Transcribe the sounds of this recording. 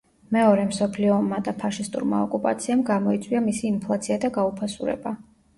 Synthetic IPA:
mɛɔɾɛmsɔpʰliɔːmːad̪apʰaʃist̪ʼṵɾma̰ɔkʼupʼa̰t̪sʰiamɡamɔit̪sʼwiamisiːmpʰlˠat̪sʰiad̪aɡaupʰasuɾɛ̰ba

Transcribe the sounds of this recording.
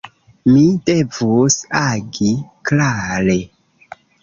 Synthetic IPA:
mide̞vosaɡiklaɾe

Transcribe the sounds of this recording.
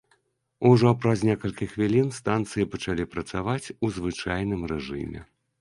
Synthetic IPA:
uʐɔpɾɐznʲɛkɐlʲkʲixvʲilʲinst̪ant̪sɨjipɐt͡ʂalʲipɾɐt̪savat͡sʲuzvɨt͡ʂajn̪ɨmrɛʐɨ̰mʲɛ̰

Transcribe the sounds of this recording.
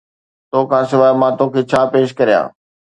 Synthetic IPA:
t̪oːkʰãːsɪʋaːɪmãːt̪oːkʰeːt͡ɕʰaːpeːʃkɐɾijã̰ː

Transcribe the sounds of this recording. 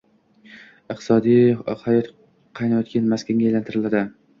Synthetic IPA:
ɨq̚t̪ʰɪ̥sɒd̪ijhajɒt̪ | qʰɑjnajɒt̪kʲanmaskʲaŋɡʲaejlant̪ʰɪɾɪlad̪ɪ

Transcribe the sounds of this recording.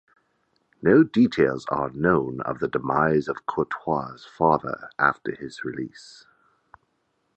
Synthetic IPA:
noʊditʰeɪlˠzə̰nõʊ̃nʌ̰vðədəmaɪzʌv̥kʰɔtʰw̥ɑz̥fɑðə̰˞ʔæftə˞ɪzɹɪlis

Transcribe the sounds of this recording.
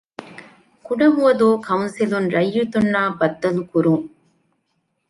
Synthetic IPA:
kuɽɐɦuʋɐðoːkɐwʊnsilunɾɐjːut̪unːaːbɐd̪ːɐlukuɾuːŋ

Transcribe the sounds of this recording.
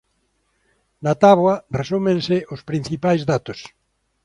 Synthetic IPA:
nat̪aβwɐresumẽŋsɪʊspɾĩn̟θipajzðat̪ʊs

